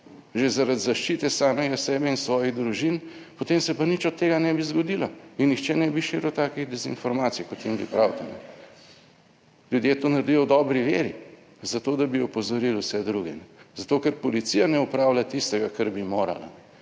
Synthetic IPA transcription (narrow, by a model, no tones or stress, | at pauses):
ʒezaɾad̪zaʃt͡ʃiːt̪ɛsaːmɛɡasɛːbɛinsʋɔːjiɣd̪ɾuʒinpot̪emsɛpanit͡ʃɔt̪ːeːɡanɛbizɡɔd̪ilɔinːixt͡ʃɛnɛbiʃiːɾuwt̪aːkiɣd̪ɛzḭnfɔɾmaːt̪sijkɔt̪jimbḭpɾawt̪anɛ̰ | lʲjud̪jet̪onaɾd̪ijɔwd̪ɔbɾiʋeːɾi | zat̪oːd̪abiɔpɔzɔɾilusɛd̪ɾuɡɛnɛzat̪okɛɾpɔlit̪sijanɛupɾaːwlʲat̪ist̪ɛɡakɐɾbimoːɾa̰la̰n